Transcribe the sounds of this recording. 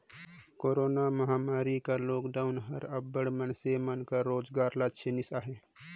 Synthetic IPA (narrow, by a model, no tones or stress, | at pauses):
koːɾoːnaməɦaːmaːɾikaloːkɖaːʊnɦəɾəbːəɽmənsemənkaɾoːd͡ʒɡaːɾlat͡ʃʰenɪsaːɦe